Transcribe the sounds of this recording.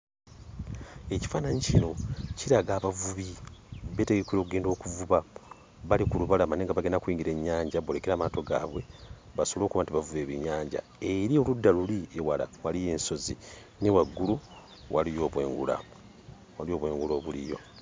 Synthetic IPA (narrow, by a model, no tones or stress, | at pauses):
e̞ci̥faːnaɲicino̞ciɾaɡaːβavuβiβe̞ːte̞ɡekiɾokuɡe̞ːndo̞ːkuvuβa | βalikuluβalamaneŋɡaβaɡenakuiːŋɡiɾe̞ɲːaːɲɟaβolekeɾaːmaːto̞ɡa̰ːβwe̞̰ | βasolo̞ːkuβantiβavuβe̞ːβiɲaːɲɟa̰ | eɾio̞ludːaluliewala̰walije̞ːnso̞zḭ | newaɡːulu | walijo̞ːβwe̞̰ːŋɡṵla̰ | walio̞ːβwe̞ːŋɡulo̞ːβulḭjo̞